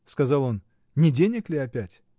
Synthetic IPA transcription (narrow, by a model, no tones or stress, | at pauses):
skɐzɑlˠo̞n | nʲɪdʲenʲɪklʲɪɐpʲætʲ